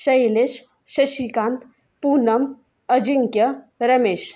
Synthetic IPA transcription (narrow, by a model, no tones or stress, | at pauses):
sɐjles | sɐʃikant̪ʰ | punɐm | ɐd͡ʒiŋkjɐɾɐmeːʃ